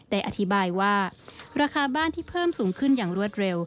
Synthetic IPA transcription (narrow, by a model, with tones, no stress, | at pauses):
d̪ɛ˨˩ʔa˧t̪ʰi˦˥baː˧jwaː˥˩ɾaː˧kʰaː˧baː˥˨nt̪ʰiː˥˩pʰɤː˥˩msuː˩˦ŋkʰɯ˥˩njaː˨˩ŋɾu˥˩ət̪̚ɾe˧w